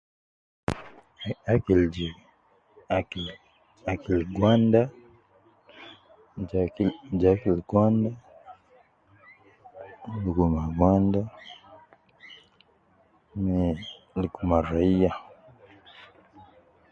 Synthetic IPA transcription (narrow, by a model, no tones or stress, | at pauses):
akild͡ʒi | akil | akilɡwanda | d͡ʒakilɡwanda | lukumaɡwanda | mɛ | lkumaɾaia